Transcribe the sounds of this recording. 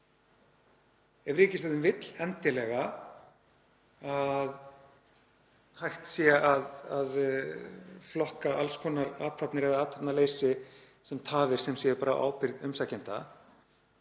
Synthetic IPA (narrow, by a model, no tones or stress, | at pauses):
ɛvrɾɪːcɪst̪aðʏmvɪt̪lɛnt̪ɪlɛɣa | að | hajxt̪sjɛaðað | flɔhkaʔalskʰɔːnːaɾa̰ːt̪ʰapnɪɾɛðaaːt̪ʰap̪naleːjsɪ | sɛmt̪ʰaːvɪɾ̥sɛmsjɛpaːɾa̰ʔa̰ːwpɪɾðʏmsacɪnt̪a̰